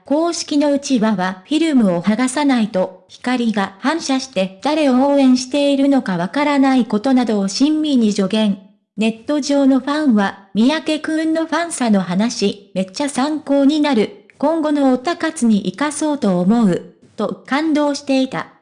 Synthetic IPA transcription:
ko̞ːɕi̥kʲino̞ɯ̟t͡ɕiβaβaɸʲiɾɯ̟mɯ̟o̞haɡasanait̪o̞çi̥kaɾʲiɡahãɰ̃ɕaɕi̥t̪e̞d̪̥aɾe̞o̞oːẽ̞ɰ̃ɕi̥t̪e̞iɾɯ̟no̞kaβ̞akaɾanaiko̞t̪o̞nad̪o̞ːɕĩmːʲiɲ̟iʑo̞ɡẽ̞ɴ | ne̞t̪ːo̞ʑo̞ːno̞ɸãɰ̃βamʲijake̞kɯ̟nːo̞ɸãɰ̃sano̞ɦanaɕime̞t͡ɕːasãŋko̞ːɲ̟inaɾɯ̟ | kõ̞ŋɡo̞no̞ːt̪akat͡sɨɲ̟iʔikaso̞ːt̪o̞ːmo̞ɯ̟ | t̪o̞kãnd̪o̞ːɕi̥t̪e̞it̪a̰

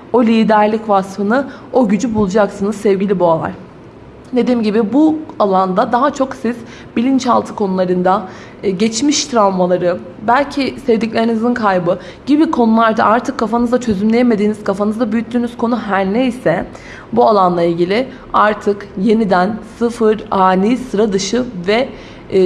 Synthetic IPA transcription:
o̞lʲiːd̪æɾlʲicvasfɯnɯ | o̞ɟyd͡ʒybulˠud͡ʒaksɯnɯzsɛvɟilʲibualˠa̰ɾ | d̪e̞d̪iːmɟibibualˠand̪ad̪aɦat͡ʃʰo̞ksiz̥ | bilʲint͡ʃalˠt̪ʰɯkʰo̞nulˠaɾɯnd̪a | ɟɛt͡ʃmiʃt̪ʰɾalˠmalˠaɾɯ | bælʲcʰisɛvd̪iclʲe̞ɾinizinkʰajbɯ | ɟ̥ibikʰo̞nulˠaɾd̪a̰ʔaɾt̪ʰɯkʰːafanɯzat͡ʃʰø̞zymlʲejeme̞d̪iːniz̥kʰafanɯzd̪abyjyt̪ʰːyːnyz̥kʰo̞nuɦæɾnejsɛ | bualˠanlˠailʲɟilʲɪ | aɾt̪ʰɯkje̞nid̪ænsɯfɯɾaːniːsɯɾad̪ɯʃɯvɛ

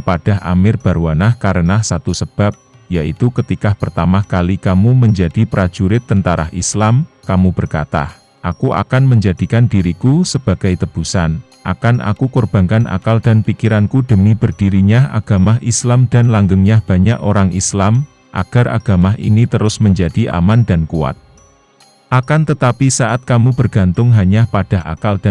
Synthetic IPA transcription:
əpad̥a̤ɦʔa̰mɪrb̥aɾwanahkaɾənahsat̪usəb̥ap̚ | jaʔit̪ukət̪ikahpərt̪amahkalikamuməɲd͡ʒadipɾḁd͡ʒuɾɪt̪ːənt̪aɾa̰hḭslamkamub̥ərkat̪a̰h | ʔakuʔa̰kanməɲd͡ʒadikandiɾikusəb̥a̤ɡ̥ajt̪əb̥usan | ʔa̰kanʔa̰kukorb̥ankanʔa̰kald̥anpikiɾankudəmibərd̥iɾiɲaʔa̰ɡ̥amaɦʔislamdanlaŋɡəŋɲab̥a̤ɲaʔoɾaŋʔislam | ʔa̰ɡ̥a̤rʔa̰ɡ̥amaɦʔḭnit̪əɾʊsməɲd͡ʒadiʔa̰mandankua̰t̪̚ | ʔakant̪ət̪apisaʔat̪̚kamub̥ərɡ̥a̤nt̪ʊŋɦaɲapad̥aɦa̰kalda

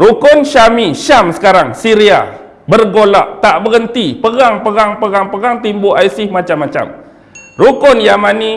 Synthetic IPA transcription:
ɾukʊnʃamiʃamsə̥kaɾaŋsiɾia̰ | bərɡolaʔt̪aʔbəɣənt̪ipəɣaŋpəɣaŋpəɣaŋpəɣaŋt̪imbʊaisɪhmãt͡ʃamːat͡ʃa̰m | rukʊnjamãnĩ

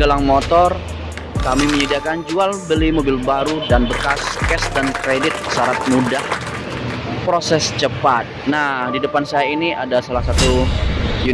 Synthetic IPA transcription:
əlaŋmot̪ɔr | kamiməɲidakand͡ʒualbəlimobɪlbaɾudanbərkaskɛsdankɾedɪt̪̚saɾat̪̚mudah | pɾosɛst͡ʃəpat̪̚nadidəpansajainiadasalahsat̪uju

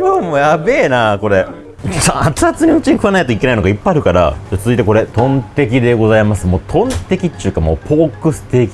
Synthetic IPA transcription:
omoːjabe̞ːnako̞ɾe̞ | saat͡sɨat͡sɨɲ̟iɯ̟t͡ɕiɲ̟ikɯ̟anait̪oike̞nainoɡaipːaaːɾɯ̟kaɾa̰d͡ʑat͡sɨzɨit̪e̞ko̞ɾe̞t̪õ̞nt̪e̞k̬ʲid̪e̞ɡo̞zaimasɨmo̞ːt̪ʰõ̞nt̪e̞kʲitːɨ̟kamo̞̰ːpʰo̞ːkɯ̟sɨ̥t̪e̞kʲi̥

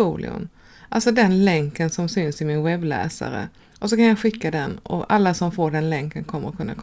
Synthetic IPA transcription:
ulɪ̰ɵ̰m | ʔaltsɔd̪ɛnlɛŋkənsɔmsʏnsɪmɪnɧɛblɛ̰ːsa̰ɾə̰ | ʔɔsɔkʰanjɑːɡɧɪkːad̪ɛnɔ̰alːasɔmfoːɖɛnlɛŋkənkʰɔmːəɾɔkʰɵnːa̰kʰ

